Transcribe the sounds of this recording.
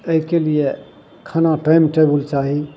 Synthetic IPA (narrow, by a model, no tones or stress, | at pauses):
əikelije | kʰaːnaʈaɪmʈebəlt͡ʃaːɦi